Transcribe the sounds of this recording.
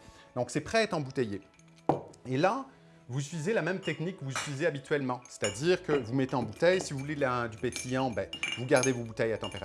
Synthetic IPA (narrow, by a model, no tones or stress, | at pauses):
d̪ɔ̃ksɛpχɛɛt̪χɑ̃but̪eje | ela | vuzyt̪fizelamɛmt̪ɛknik̚ːəvuzyt̪fizeabit̪ɥɛlmɑ̃se̥t̪ad̪iʁkəvumet̪eɑ̃but̪ɛjsivuvuledlad̪ypet̪ʰijɑ̃bɛvuɡaʁd̪evobut̪ɛjat̪ɑ̃peʁa